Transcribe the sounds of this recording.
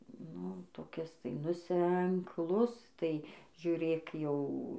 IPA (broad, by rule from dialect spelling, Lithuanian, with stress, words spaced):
ˈnʊ toːˈkʲɪs tɐɪ nʊ sʲɛŋkˈlˠʊs tɐɪ ʒʲʊˈrʲeːk jɛʊ